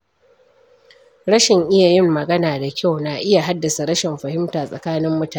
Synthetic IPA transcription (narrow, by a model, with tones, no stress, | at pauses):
ɽɐ˦ʃɪ˨ŋʔɪ˦ja˨jɪ˦mːɐ˨ɡɐ˦naː˨da˨kʲa˦˨wna˨ʔɪ˦ja˨ɦa˦dːɐ˨sa˨ɾɐ˦ʃɪ˨mɸɐ˨hɪ˦mtaː˨sʼɐ˨kaː˦nɪ˦mːʊ˦taː˨˦